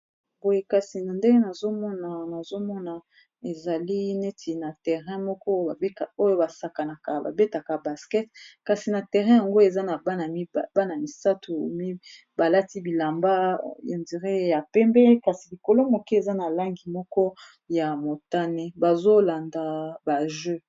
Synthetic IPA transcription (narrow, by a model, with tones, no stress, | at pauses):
bo˨je˨ka˨si˨na˨nde˦ŋɡe˦na˨zo˦mɔ˦na˨na˨zo˦mɔ˦na˨ | e˨za˨li˦ne˦tʰi˨na˨tɛ˨ʁɛ̃˦mɔ˦kɔ˦a˨e˦ka˨o˦jo˦ba˨sa˨ka˨na˨ka˨ba̰˨be˦ta˨ka˨ba˨skɛ˦tka˨si˨na˨tɛ˨ʁɛ̃˦ja˨ŋɡo˦e˨za˦na˨ba˦na˨˦˨ba˦na˨mi˨sa˦tʰu˨mi˦ | ba˨la˦ti˦bi˨la˨mba˦jo˨ndi˨ʁɛ˦ja˨pɛ˦mbɛ˦ka˨si˨li˨ko˨lo˦mo˨ke˦e˨za˦na˨la˦ŋɡi˨mɔ˦kɔ˦ | ja˨mo˨ta˦nɛ˦ba˨zo˦la˨nda˨ba˨ʒø˦